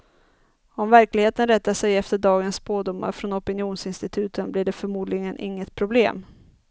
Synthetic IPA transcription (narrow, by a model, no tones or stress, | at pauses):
ɔmvæɾklɪɡheːt̪ənɾɛt̪ːasɛjɛft̪əɖɑːɡənsboːd̪ʊmːa̰ɾfɾɔnɔpənɪjuːnsɪnst̪ɪt̪ʰʉ̟ːt̪ʰənblɪɖɛfœɾmuːd̪lɪɡənʔɪ̰ŋːət̪pʰɾʊblḛːm